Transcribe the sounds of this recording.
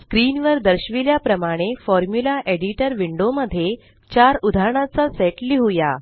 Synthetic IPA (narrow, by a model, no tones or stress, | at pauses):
skɾinʋəɾd̪əɾɕʋiljapɾəmaɽ̃efɔɾmjulaʔeɽiʈəɾʋiɳɖoməd̪ʱːje | t͡ɕaɾud̪ʱaɾɳ̃ãt͡saseʈliɦuja